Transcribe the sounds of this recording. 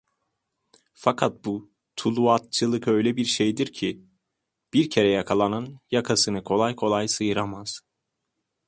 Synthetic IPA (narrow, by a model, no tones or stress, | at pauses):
fakʰat̪̚bu | t̪ʰulˠuat̪̚t͡ʃʰɯlˠɯkø̞jlʲɛbiɾʃejd̪iɾcʰi | b̥iɾcʰe̞ɾɛjakʰalˠananjakʰasɯnɯkʰo̞lˠajkʰo̞lˠajsɯjɯɾamaz̥